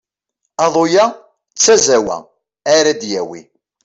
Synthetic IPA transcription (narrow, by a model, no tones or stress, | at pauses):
ɑðˤojæ | t͡sːæzæwæ̰ | æɾæd̪jæwḭ